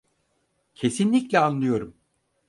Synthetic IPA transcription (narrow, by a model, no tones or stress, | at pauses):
cʰe̞sinlʲiclʲɛanlˠɯjo̞ɾum